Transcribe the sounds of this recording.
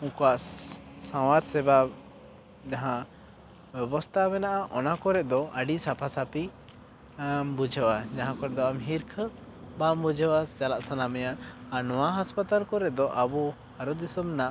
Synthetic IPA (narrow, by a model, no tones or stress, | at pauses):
uŋkaʔsãwaɾsɛba | d͡ʒaɦã | bɛbɔst̪ʰamɛnaʔaʔɔnakɔɾɛʔd̪ɔaɖisapʰasapi | bud͡ʒʱəwad͡ʒaɦãkɔɾɛʔd̪ɔamɦiɾkʰə | bambud͡ʒʱəwat͡ʃalaʔsanamɛjaʔaɾnɔwaɦaspat̪alkɔɾɛʔd̪ɔʔabu | haɾɔd̪isɔmnaʔ